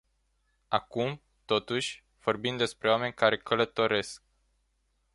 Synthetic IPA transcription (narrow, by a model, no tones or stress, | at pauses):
akum | t̪o̞t̪uʃʲ | v̥o̞rbind̪d̪e̞spɾewame̞nʲkaɾe̞kələt̪o̞ɾe̞sk̚